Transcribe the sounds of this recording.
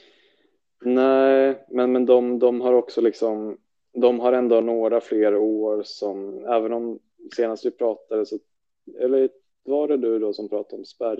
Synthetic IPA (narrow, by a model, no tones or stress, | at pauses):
næɪmɛnmɛnd̪ɔmd̪ɔmɦaɾɔksɔlɪksɔm | d̪ɔmɦaɾɛnd̪onoːɾafleːɾoːɾsɔmæːvənɔm | seːnast̪vɪpʰɾɑːt̪ad̪əsɔ | ɛlːə | vɑɖɛd̪ɵd̪ɔsɔmpʰɾɑːt̪aɾɔmspæɾ